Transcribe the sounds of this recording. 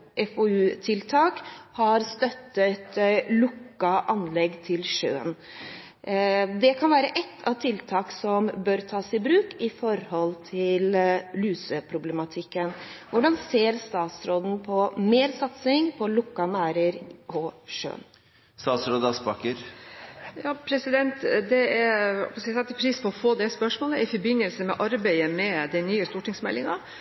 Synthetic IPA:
ʔɛfoʉːt̪ʰɪlt̪ʰɑːkhɑɾst̪œt̪ːət̪lʊkːɑʔɑnlɛɡːt̪ʰɪlʂø̰ːən | d̪ɛkʰɑnʋæːɾəʔɛt̪ʰːɑʋt̪ʰɪlt̪ʰɑːksɔmbœɾt̪ʰɑːsɪbɾʉːkɪfɔɾhɔlt̪ʰɪllyːsəpʰɾʊblɛmɑt̪ʰɪkːənʋʊɖɑnseːɾst̪ɑːt̪sɾoːd̪n̩pʰɔmeːɾsɑt̪sɪŋpʰɔlʊkːɑnæːɾəɾʔɔʂø̰ːn | st̪ɑːt̪sɾoːd̪əɑsbɑkəɾ | jɑːpʰɾɛsɪd̪ɛnt̪d̪ɛæɾ̰pssɛt̪ːəpʰɾiːspʰɔɔfoːd̪ɛspœʂmoːləʔɪfɔɾbɪnːəlsəmɛ̰ʔɑɾbæɪəmɛd̪ɛnyːəst̪uːʈɪŋsmɛ̰lːɪŋɑ

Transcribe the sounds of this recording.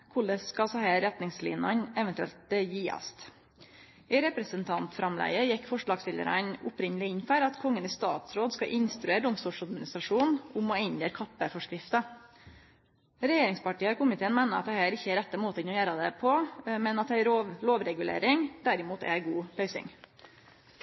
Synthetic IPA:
kʰʊɭːəsskɑsɔhæːɾɛt̪nɪŋslḭːnɑnɛʋɛnt̪ʉɛ̰lt̪jiːɑ̰st̪ | ɪɾɛpɾəsənt̪ʰɑnt̪fɾɑmlæ̰ɪəjɪkːfɔʂɭɑːɡsɪlə̰ɾə̰nʊpɾɪɲəlɪɪnfæɾɑt̪kʰɔŋːənɪst̪ɑ̰ːt̪sɾoːd̪skɑʔɪnst̪ɾʉeːɾɖʊmst̪uʂɑd̪mɪnɪst̪ɾɑʂuːnʊmɔɪnjeːɾkʰɑpːəfɔʂkɾɪft̪ə | ɾɛjeːɾɪŋspɑʈiːəɔɾkʰʊmɪt̪ʰeːənmæɪnəɑt̪̚d̪ɛhæːɾɪçːəæɾɛt̪ːəmoːt̪əɪnɔjæːɾɑd̪ɛpʰɔmɛnɑt̪̚d̪ɛæɾoʋloːʋɾɛɡʉlḛːɾɪŋd̪̥æɾɪmuːt̪ɛ̰ɡuːpʰœʏsɪ̰ŋ

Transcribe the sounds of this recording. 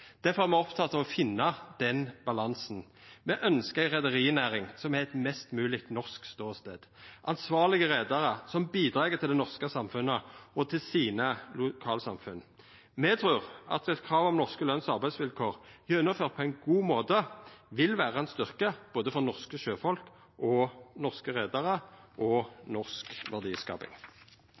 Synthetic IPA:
d̪̥æɾfɔʁæʁmɛɔpt̪ʰɑt̪ʰːɑʋɔfɪnːɑd̪̥ɛnbɑlɑnsnmɛʔœnskəʁæɪʁɛd̪əʁiːnæːɾɪŋsɔmæɾɛt̪mɛst̪mʉːlɪkt̪nɔʁskst̪oːst̪ḛːd̪̥ʔɑnsʋɑːʁlɪɡəʁeːd̪ɑʁəsɔmbiːd̪ʁɑːɡət̪ʰɪld̪ɛnɔʁskəsɑmfʉnːəɔt̪ʰɪlsiːnəlʊkʰɑːlsɑ̰mfʉn | mɛt̪ʰʁʉːʁɑ̰t̪ɛt̪kʰʁɑːʋɔmnɔʁskəlœnsɑʁbæɪsʋɪlkʰoːʁjœʉnːəføːʁt̪̚pʰɔæɪnɡuːmoːt̪əʋɪlʋæːʁəɛnst̪ʏʁkəb̥oːd̪əfɔʁnɔʁskəʃøːfɔlk | ʔɔnɔʁskəʁeːd̪ɑʁəʔɔnɔʁskʋæʁd̪iːskɑ̰ːpɪ̰ŋ

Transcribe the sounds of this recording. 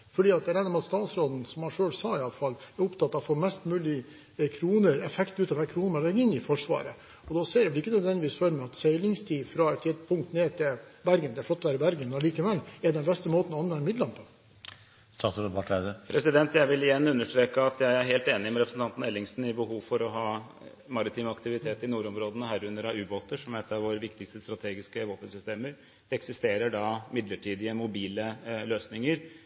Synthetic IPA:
fɔɖiːɑt̪ɛɾɛːd̪ɑmɛɑt̪st̪ɑːt̪sɾoːd̪n̩sɔmhɑʂøːlsɑɪɑləfɑlæɾʊpt̪ʰɑt̪ːɑʋfɔmɛst̪mʉːlɪ | kʰɾuːnəɾɛfɛkt̪ʉːt̪ɑʋæːkʰɾuːnəmɑlɛɾɡɪnːɪfɔʂʋɑ̰ːɾə | ɔd̪ɔseːɾɛʋɛlɪkːənœd̪ʋɛnd̪ɪʋiːsfɔɾəmɛɑt̪sɛɪlɪŋst̪ʰiːfɾɑɛt̪t̪ʰːɪd̪pʰʊŋkt̪neːt̪ʰɪlbæɾɡənɛæflɔt̪ːɔʋæːɾəbæɾɡənɔliːkəʋɛlːɛd̪ɛnbɛst̪əmoːt̪n̩ɔɑnʋɛnd̪əmɪd̪lɑnpʰɔ̥ | st̪ɑsbɑʈʰæd̪əpʰɾɛsɪd̪ɛnt̪jæɪʋɪlɪjɛnːʉnːəʂʈɾeːkəɑt̪jæɪæɾɦeːlt̪eːnɪmɛɾɛpɾəsn̩t̪ɑnt̪n̩ɛlːɪŋsnɪbəɦuːʋfɔɾɔɦɑː | mɑɾɪt̪ʰiːmɑkt̪ɪʋɪt̪ʰeːt̪ɪnuːɾɔmɾoːd̪ənəɦæːɾʉnːəɾɑʉːboːt̪əʂɔmɛt̪ːɑʋʋoːɾəʋɪkt̪ɪkst̪əst̪ɾɑt̪ʰeːɡɪskəʋoːpənsʏst̪eːməɾ | ɛksɪst̪eːɾəɖɑmɪd̪ləʈʰiːd̪ɪəmʊbiːləløːsnɪŋəɾ

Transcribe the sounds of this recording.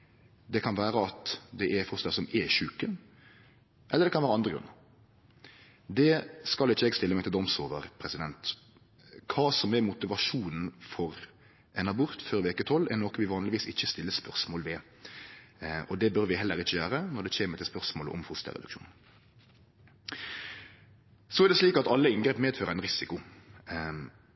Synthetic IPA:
d̪ɛkʰɑnʋæːɾəɑt̪d̪ɛʔɛfʊst̪əsɔmɛʃʉːkən | ʔɛləɾd̪ɛkɑnʋæːɾəɑnd̪ɾəɡɾʉ̰nə | d̪ɛskɑlɪçːəɛːɡst̪ɪlːəmɛɪt̪ɪld̪ɔmsoːʋəɾpʰɾɛsɪd̪ɛnt̪ | kʰɑːsɔmɛɾmʊt̪ɪʋɑʂuːnn̩fɔɾ | ʔɛnɑbʊɾt̪føːɾʋeːkət̪ʰɔlːɛnɔkʋɪʋɑːnlɪʋiːsɪçːəst̪ɪlːəspœɾsmoːlʋɛ | ʔɔd̪ɛbœɾʋɪɦɛlːəɾɪçːəjøːɾənɔd̪ɛçeːməɾt̪ɪlspœɾsmoːlʔɔ̰mfʊst̪ɛ̰ʁɾɛ̰d̪ʉkʃṵːnn | sɔɛɾd̪ɛsliːkɑt̪ɑlːəɪnɡɾɛːpmeːd̪føːɾəæɪnɾɪsɪkʊ

